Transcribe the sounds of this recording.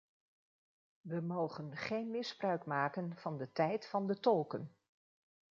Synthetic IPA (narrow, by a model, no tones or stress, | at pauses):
ʋəmowχənχejnmɪzbrœɥkmaːkənv̥ɑndətɛjtfɑndətɔlˠkən